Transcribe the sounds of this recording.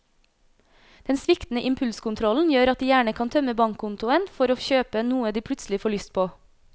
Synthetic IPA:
d̪̥ɛnsʋɪkt̪n̩əʔɪmpʰʉlskʊnt̪ʰɾɔln̩jøːɾɑt̪̚d̪iːjæːɳəkʰɑnt̪ʰœməbɑŋkʰkʰʊnt̪ʊənfɔɾoːçøːpənuːəd̪iːpʰɽʉt̪slɪfɔɭʏst̪̚pʰoː

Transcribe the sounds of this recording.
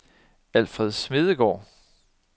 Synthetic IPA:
æl̰fʁɛðˠsme̝ð̞ˠəɡ̥ɒ̰ː

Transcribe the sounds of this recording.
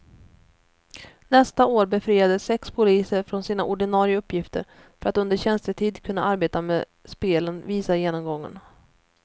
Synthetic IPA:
nɛst̪aoːɾbɛfɾiːad̪əsːɛkspʰʊliːsəɾfɾɔnsiːna̰ʔʊɖɪnɑːɾɪəaɵpːjɪft̪ə̰ɾ | fœɾat̪ɵnd̪əɕɛnst̪əʈʰiːd̪kʰɵnːa̰ʔaɾbeːt̪ameː | speːlənviːsajeːnɔmɡɔŋːə̰n

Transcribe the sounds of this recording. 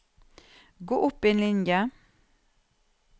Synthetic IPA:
ɡoːʔʊpːieːnlɪnjə

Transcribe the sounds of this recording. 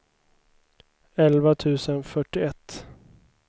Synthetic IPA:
ɛlvat̪ʰʉ̟ːsənfœʈːɪɛt̪ː

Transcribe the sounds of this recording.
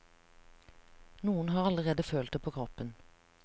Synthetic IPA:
nuːənhɑːʁɑləʁeːd̪əføːlt̪d̪ɛpʰoːkʰʁɔpən

